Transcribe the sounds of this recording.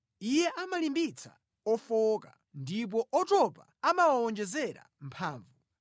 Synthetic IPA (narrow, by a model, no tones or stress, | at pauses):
ijɛʔamalimbit͡sʰa̰ | ɔfɔka | ndip̬ɔʔɔtɔpa̰amawawɔnd͡ʒɛzɛɾa̰m̩pʰaːɱvu